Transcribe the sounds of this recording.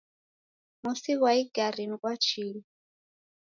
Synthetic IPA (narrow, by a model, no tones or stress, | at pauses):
musiβwaiɡ̥arinikʼwat͡ʃʰiːli